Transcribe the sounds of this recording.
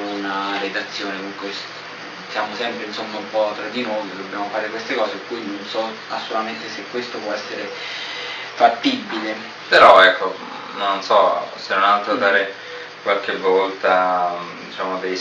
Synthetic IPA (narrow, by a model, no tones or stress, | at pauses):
unaɾed̪at̪sːjoːnekuŋkwes | isjaːmosɛmpɾeinsond̪oumpɔt̪ɾad̪ːinoːjd̪obːjaːmofaːɾekwest̪ekɔːzekːujnonsɔ | asːolut̪ament̪esekːwest̪opwɔɛsːeɾe | fat̪ːibːile | peɾɔɛkʰːo | nonsɔsenonalt̪ɾod̪aːɾe | kwalkevɔlt̪ad̪it͡ʃaːmod̪ej